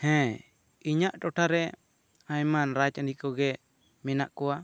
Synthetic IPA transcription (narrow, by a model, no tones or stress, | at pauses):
hɛ̃ | iɲaʔʈɔʈʰaɾɛ | aɲmanɾad͡ʒnikɔɡɛ | mɛnaʔkɔwa